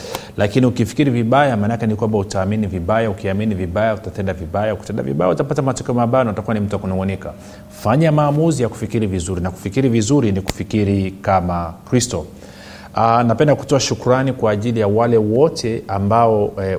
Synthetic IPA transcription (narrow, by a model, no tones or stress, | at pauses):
lakiniukifi̥kiɾiviɓajamanakɛnikwambautaːminiviɓajaukiaminiviɓajautatɛndaviɓajauki̥tɛnda̰vḭɓa̰ja̰utapatamatɔkɛɔmaɓanawatakuwanim̩tuwakunɔŋɡɔnika̰ | faɲamaːmuzijaku̥fikiɾivizuɾinaku̥fikiɾivizuɾiniku̥fikiɾikamakɾistɔ | anapɛndaku̥tɔaʃukuɾanikwaːʄilijawalɛwɔtʰɛambaɔ